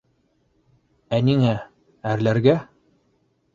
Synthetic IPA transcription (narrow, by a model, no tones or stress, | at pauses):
æniŋæ | æɾlæɾɡæ